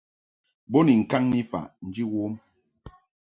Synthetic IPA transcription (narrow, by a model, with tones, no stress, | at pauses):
bo˦ni˨ŋ̩˨ka˦ŋni˦fa̰˨ʔn̩˦d͡ʒi˦wo˦m